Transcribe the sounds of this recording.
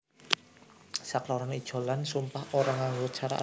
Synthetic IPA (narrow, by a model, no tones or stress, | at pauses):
saklɔɾanid̥ʒ̥o̤lansumpahoɾaŋaŋɡot͡ʃʰaɾa̰ʔ